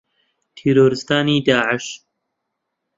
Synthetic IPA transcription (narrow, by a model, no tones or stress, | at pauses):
t̪ʰiːɾoːɾɨst̪aːniːd̪aːʕɪʃ